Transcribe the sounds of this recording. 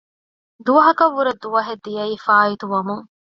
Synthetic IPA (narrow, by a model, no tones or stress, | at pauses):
d̪uʋɐɦɐkɐʋːuɾɐd̪uʋɐɦed̪ːijɐiːfaːit̪uʋɐmuŋ